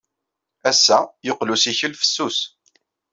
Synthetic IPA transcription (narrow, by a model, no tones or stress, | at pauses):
æsːæjoqlusiçəlfə̥sːus